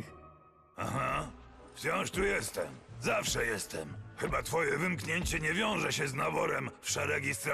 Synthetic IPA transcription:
axaft͡ɕɔ̃w̃ʂt̪ujɛst̪ɛmzafʂɛjɛst̪ɛmxɘbat̪fɔjɛvɘmkɲeɲt͡ɕɛɲɛvʲjɔ̃w̃ʐɛɕɛznabɔɾɛmfʂɛɾɛɡʲist̪ɾ

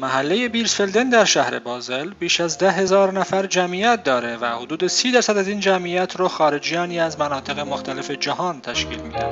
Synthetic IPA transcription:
mæɦælːeje̞biːɾsfeld̪end̪æɾʃæhɾḛbɒːze̞lbiːʃæzd̪æɦe̞zɒːɾnæfæɾd͡ʒæmiːjæt̪̚d̪ɒːɾe̞væhod̪uːd̪e̞siːd̪æɾsæd̪æziːnd͡ʒæmijæt̪ʰɾɒːxɒːɾe̞d͡ʒijɒːniːæzmænɒːt̪ʰe̞ɣemoxt̪ʰæle̞fe̞d͡ʒæhɒːnt̪ʰæʃkḭːlmiːd̪æhæ̥

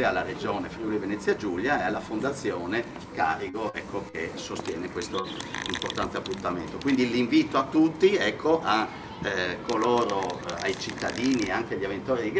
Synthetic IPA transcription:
ealːared͡ʒoːnefɾiulivenet̪sːjad͡ʒuljaɛalːafond̪at̪sːjoːne | kaːriɡoɛkːokʰesost̪jɛːnekwest̪oimport̪ant̪eapːunt̪amḛnt̪okwind̪iliɱviːt̪oat̪ːut̪ːiɛkʰːoʔa | kʰːoloːɾoa̰jt͡ʃit̪ːad̪iːnieaŋkeaʎːavent̪oːɾid̪iɡ

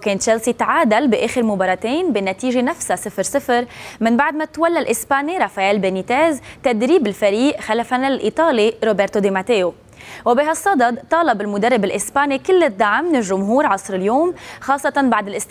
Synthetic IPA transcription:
keːnt̪ʒelsit̪ʕaːd̪albɪʔeːxɪɾmʊbɑːɾˤɑt̪eːnbɪnat̪iːʒenafsasɪfɾsɪfɾmɪnbaʕd̪mat̪walːalʔɪspaːniɾˤɑfajaːlbenit̪eːzt̪ad̪ɾiːbɪlfaɾiːʔxalafanalʔit̪ˤɑːliɾoːbeːɾt̪od̪emat̪eːo | wbiɦasˤːɑd̪ɑd̪t̪ːˤɑːlɑbɪlmʊd̪arˤːɪbɪlʔɪspaːnikɪlːɪd̪ːaʕmnɪlʒːʊmɦuːɾʕɑsˤɾɪljoːmxɑːsˤːɑt̪ɑnbaʕd̪ɪlʔɪst̪

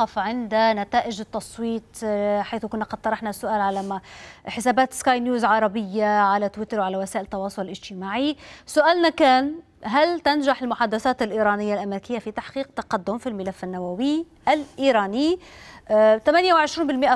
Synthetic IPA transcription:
ɑfʕɪnd̪anat̪aːʔɪd͡ʒt̪ːɑsˤwiːt̪ħajθkʊnːaqɑd̪̚t̪ɑɾˤɑħnasːʊʔaːlʕalamħɪsaːbaːt̪skaːjnjuːzʕɑɾˤɑbɪjːaʕalat̪wɪt̪ɑɾwʕalawasaːʔɪlt̪ːɑwɑːsˤʊlɪlʔɪd͡ʒt̪ɪmaːʕisʊʔaːlnakaːn | ɦalt̪anʒaħɪlmʊħad̪aθaːt̪ɪlʔiːɾɑːnɪjːalʔameɾɪkɪjːafit̪aħqiːq̚t̪aqad̪ːʊmfilmɪlafːɪnːawawɪ | ʔalʔiːɾˤɑːnɪ | t̪amanjawʕɪʃɾiːnbɪlmɪʔa

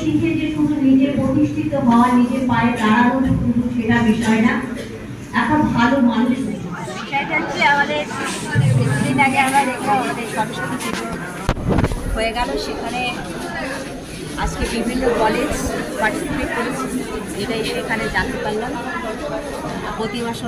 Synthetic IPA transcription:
ʃink̪ʰed͡ʑekunonid͡ʑeɾpɾot̪iʃʈʰit̪oɦaoanid͡ʑeɾpaɾed̪aɾaot̪ukud̪ut͡ɕʰeɽabiʃɔena | ɛkabʱalomanuʃɡoɾʰe | iʃaed͡ʒant͡ɕʰiamad̪eɾ | edinaɡeamɾaɾd̪ekʰbaamad̪eɾʃɔbʃonite | ɦoeɡaloʃekʰane | ad͡ʑkebibʱinːokɔled͡ʑpaʈsifikkolt͡ɕʰed͡ʑeʈaiʃekʰaned͡ʑant̪epaɾilanaao | pot̪ibaʃo

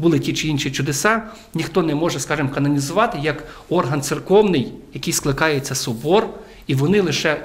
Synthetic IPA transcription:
bulˠɪtʲit͡ʃɪinʃit͡ʃʊd̪esɑ | nʲixt̪ɔnɛmɔʒɛskɑʒɪmkɐnɐnʲizʊʋɑt̪ɪjɐk | ɔrɦɐnt̪sɪrkɔwnɪjjɐkɪjsklˠɪkɑjet͡sʲːɐsʊbɔr | iʋɔnɪlˠɪʃɛ

